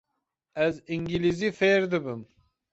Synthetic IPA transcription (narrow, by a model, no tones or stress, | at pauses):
ɛziŋɡilizifeːɾd̪ɨbɨm